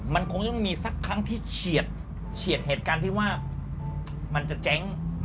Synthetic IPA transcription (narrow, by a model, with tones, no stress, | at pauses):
ma˧nkʰo˧ŋt͡ɕɔ˥˩ŋmiː˧sa˧˥˩kʰːɾa˦˥ŋt̪ʰiː˥˩t͡ɕʰi˨˩ət̪̚ | t͡ɕʰi˨˩ət̪̚heː˨˩t̪̚kaː˧nt̪ʰiː˥˩waː˥˩ | ma˧nt͡ɕa˨˩t͡ɕɛ˦˥ŋ